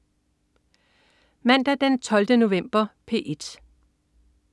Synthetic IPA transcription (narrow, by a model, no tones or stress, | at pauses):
mæn̰d̥æd̥ent͡sʰɒ̽ld̥əno̝ʋem̰b̥ɐpʰe̝̰ːʔe̝d̥